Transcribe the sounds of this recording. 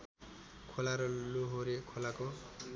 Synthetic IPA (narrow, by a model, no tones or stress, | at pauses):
kʰolaɾʌloɦoɾekʰolako